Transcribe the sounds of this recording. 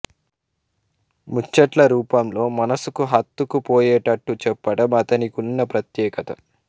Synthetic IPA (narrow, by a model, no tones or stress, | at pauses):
mut͡ʃːɐʈlɐɾuːpɐmlo̞ːmɐnɐsukuɦɐt̪ːukupoːjeːʈɐʈːut͡ʃɛpːɐɽɐmɐt̪ɐnikunːɐpɾɐt̪jɛːkɐt̪ɐ̰